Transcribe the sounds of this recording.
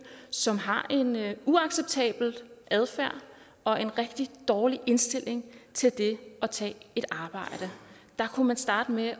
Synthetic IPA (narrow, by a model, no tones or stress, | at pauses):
sɒ̽mɦɑ̈ʔe̝nuɑ̈ɡ̥seb̥̚t͡sʰɛ̰ːb̥l̩ʔæðˠfæɐ̰ | ɒ̽ʔe̝nʁɛɡ̥̚d̥id̥ɒːliʔe̝nsd̥e̝l̰e̝ŋt͡sʰe̝ld̥e̝ɒ̽t͡sʰɛ̰ːe̝ɾ̥ɑ̈ːb̥ɑ̈ɪ̰ɾ̥ə | d̥ɑ̈kʰumænsd̥ɑ̈ːd̥əme